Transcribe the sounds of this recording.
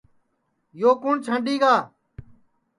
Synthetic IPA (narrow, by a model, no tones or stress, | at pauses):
joːkʊɳt͡ʃʰə̃ɳɖiːɡaː